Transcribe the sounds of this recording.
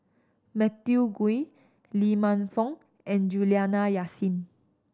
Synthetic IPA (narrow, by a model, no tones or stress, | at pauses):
mɛt̪juɡui | limãnfɔ̃ŋ | ɛ̃nd͡ʒulianajasĩn